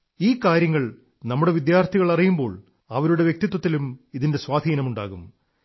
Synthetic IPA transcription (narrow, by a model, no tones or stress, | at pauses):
iːkːaːɾjɐŋːɐɭ | nɐmːuɽe̞ʋid̪jaːrt̪ʰiɣɐɭɐrijumbo̞ːɭ | ɐʋɐɾuɽe̞ʋjek̚t̪it̪̬ːwɐt̪ːilumiðinde̞swaːd̪ʱiːnɐmuɳɖaːɣum